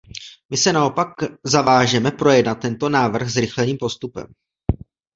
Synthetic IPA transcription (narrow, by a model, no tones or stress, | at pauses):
mɪsɛnao̞pakzavaːʒɛmɛpɾo̞jɛdnat̪̚ːɛnt̪o̞naːvr̩xzɾɪxlɛniːmpo̞st̪upɛ̰m